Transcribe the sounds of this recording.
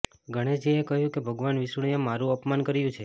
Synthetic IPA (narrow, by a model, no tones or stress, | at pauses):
ɡʱəɽ̃ed͡ʒeekəɦjũkebʱəɡʋanʋisuɽijemaɾũəpmankəɾjũt͡ʃʰe